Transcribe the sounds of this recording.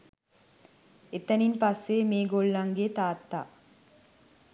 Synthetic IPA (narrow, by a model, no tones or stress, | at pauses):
et̪ːɐninpɐsːeːmeːɡoɭːɐŋɡet̪aːt̪ːa̰ː